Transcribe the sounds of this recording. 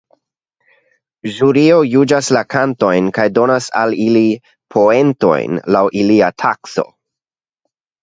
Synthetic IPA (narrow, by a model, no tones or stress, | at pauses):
ʒuɾio̞jud͡ʒaslakanto̞jnkajdo̞nasa̰lili | pʰo̞e̞nto̞̰jnlawʔiliatʰakso̞̰